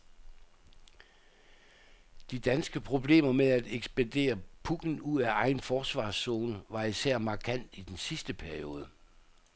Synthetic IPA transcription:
d̥id̥ænsɡ̥əpʰʁo̝b̥le̝̰ːmɐmeæd̥eɡ̥sb̥ænd̥e̝̰ːɐpʰuɡ̥n̩uð̰ˠæɑ̈ɪnfɒːsʋɑ̰̈ːsːo̝ːnəʋɑ̈isæɐ̰mɑ̈kʰæn̰d̥id̥ensisd̥əpʰæɐio̝ːð̞ˠə

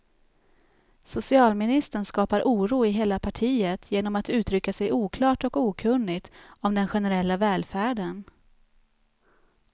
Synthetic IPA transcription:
sʊsɪɑːlmɪnɪst̪əɳskɑːpaɾʔuːɾuːɪɦeːlapʰaʈʰiːət̪ʰjeːnɔmat̪ʉ̟ːt̪ɾʏkːasɛjuːkʰlɑːʈɔkuːkʰɵnːɪɡt̪ɔmd̪ɛnɧɛnɛɾɛlːavɛːlfæːɖən

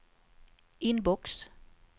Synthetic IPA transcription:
enbɔɡ̥s

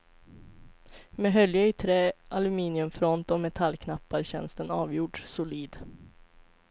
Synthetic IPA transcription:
mɛɦœljaɪt̪ʰɾeːʔalɵmiːnɪɵmfɾɔnt̪ɔmɛt̪ʰalːkʰnapːaɾɕɛ̰nst̪ənɑːvjuːɖsʊliːd̪

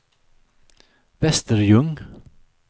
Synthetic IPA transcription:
vɛst̪əɾjɵŋ

